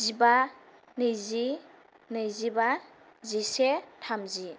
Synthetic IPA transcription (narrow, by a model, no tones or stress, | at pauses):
ziba | nɯjzi | nɯjziba | zisetʰamzi